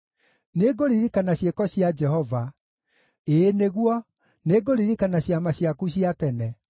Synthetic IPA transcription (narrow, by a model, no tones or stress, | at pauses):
neɡoɾiɾikanaɕekɔɕiad͡ʒɛɦɔva | eneɣwɔ | neɡoɾiɾikanaɕjamaɕiakuɕiatɛnɛ